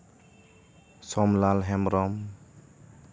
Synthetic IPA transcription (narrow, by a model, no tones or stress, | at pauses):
sɔmlalɦɛmɾɔm